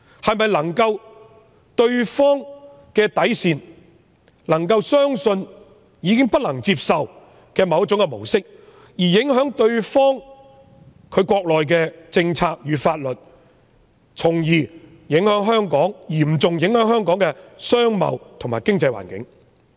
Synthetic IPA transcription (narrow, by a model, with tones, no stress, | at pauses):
hɐ˨jmɐ˨jlɐ˨˩ŋkɐ˧w | t̪ɵ˧ɥfɔː˥ŋ | kɛː˧t̪ɐ˨˥jsiː˨n | lɐ˨˩ŋkɐ˧wsœː˥ŋsɵ˧n | jiː˨˧kɪ˥ŋpɐ˥t̚lɐ˨˩ŋt͡siː˧p̚sɐ˨w | kɛː˧mɐ˨˧wt̚t͡sʊ˨˥ŋkɛ˧mo˨˩wsɪ˥k̚ | jiː˨˩jɪ˨˥ŋɦœː˨˥ŋt̪ɵ˧ɥfɔː˥ŋ | kʰɵ˨˧ɥkʷɔː˧k̚lɔː˨jk̬ɛː˧t͡sɪ˧ŋt͡sʰaː˧k̚jyː˨˧faː˧t̚lɵ˨t̚ | t͡sʰʊ˨˩ŋjiː˨˩ | jɪ˨˥ŋɦœː˨˥ŋɦœː˥ŋkɔː˨˥ŋjiː˨˩m̩˨t͡sʊ˨ŋjɪ˨˥ŋhœː˨˥ŋhœː˥ŋkɔː˨˥ŋkɛː˧sœː˥ŋmɐ̰˨wt̪ʰʊ˨˩ŋma̰ː˨˩jkɪ˥ŋt͡sɐ˧jwa̰ː˨˩nkɪ̰˨˥ŋ